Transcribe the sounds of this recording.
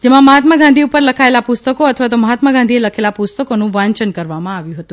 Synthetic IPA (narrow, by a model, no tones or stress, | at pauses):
d͡ʒemãməɦat̪maɡãnd̪ʱiupəɾləkʰaelapʊst̪əkoət̪ʰəʋat̪oməɦat̪məɡãnd̪ʱieləkʰelapust̪əkonũʋãɲt͡ʃənkəɾʋamãaʋjũɦət̪ũ